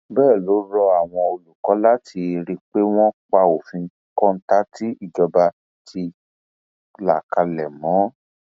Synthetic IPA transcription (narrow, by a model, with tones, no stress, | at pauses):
bɛː˦˨lo˨˦ɾɔ˧a˨w̃ɔ̃˧o˧lu˨kɔ˨˦la˦tʰi˧ɾi˧k͡pe˦w̃ɔ̃˦k͡pa˧o˨fĩ˧˦kɔ̃˦n̩˦ta˦tʰi˦i˦˨ɡɔ˧ba˧ | tʰi˧ | la˨ka˧lɛ˨mɔ̃˨˦